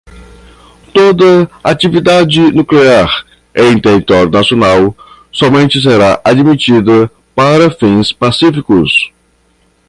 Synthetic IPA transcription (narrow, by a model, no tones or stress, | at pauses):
t̪od̪ɐat͡ʃivid̪ad͡ʒɪnukleaɾ | ẽĩt̪ehit̪ɔɾjuʊnasionaw | sɔmẽnt͡ʃɪs̬eɾaʔad͡ʒmit͡ʃid̪ɐ | paɾɐfĩspasifikʊs